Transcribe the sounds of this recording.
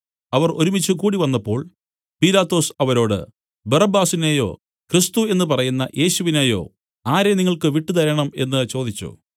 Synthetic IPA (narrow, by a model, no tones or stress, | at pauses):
ɐʋɐro̞ɾumit͡ɕːukuːɽiʋɐnːɐpːo̞ːɭ | pilaːt̪ːo̞ːsɐʋɐɾo̞ːɽɨ̰ | bɐrɐbaːsinejo̞̰ː | krist̪ue̞nːɨpɐrɐjunːɐ̰ʔe̞ːɕuʋineːjo̞̰ː | aːɾe̞niŋːɐɭkɨʋiʈːut̪ɐɾɐɳɐme̞nːɨt͡ɕo̞ːd̪it͡ɕːṵ